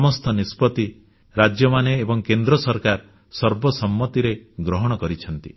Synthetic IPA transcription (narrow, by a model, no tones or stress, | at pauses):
mɔst̪ʰɔnispɔt̪i | ɾad͡ʒjɔmaneːbɔŋkend̪ɾɔsɔɾkaɾ | sɔɾbɔsɔmːɔt̪iɾeɡɾɔɦɔɽ̃ɔkɔɾit͡ʃʰɔnt̪i